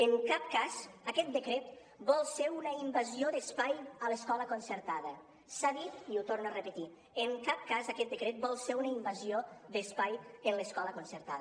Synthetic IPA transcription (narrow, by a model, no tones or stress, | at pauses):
əŋkap̚kazəkɛt̪̚d̪əkɾet̪ | bɔlˠseunəimbazioðəspajələskɔləkonsəɾt̪aðə | saðit̪iut̪ornuərəpət̪i | əŋkap̚kazakɛt̪̚d̪əkɾet̪̚bɔlˠseunəimbaziod̪əspajənləskɔləkonsəɾt̪að